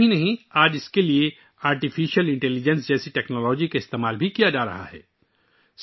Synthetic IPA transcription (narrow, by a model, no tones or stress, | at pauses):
inɐɦĩaːd͡ʒɪskelie | aːɾʈifiːʃəlɪ̃ɳʈɛlid͡ʒə̃nsd͡ʒɛːsiʈɛːknɔːlɔːd͡ʒikaɪst̪eːmaːlbʱikijad͡ʒaːɾɐ̰ɦa̰ɦɛ̰ː | s